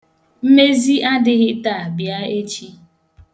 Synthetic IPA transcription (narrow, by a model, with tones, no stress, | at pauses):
m̩˦me˦zi˦ʔa˦dɪ˦ɣɪ˦ta˦˨bja˦e˦t͡ʃi˦